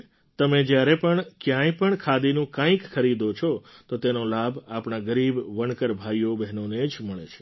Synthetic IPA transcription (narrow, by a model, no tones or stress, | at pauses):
t̪əmed͡ʒjaɾepəɳkjãjpəɳkʰad̪inũkãĩkxʰəɾid̪ot͡ʃʰot̪ot̪enolabʱapɳaɡəɾibʋəɳkəɾbʱajobɛɦnoned͡ʒməɭḛt͡ʃʰe̥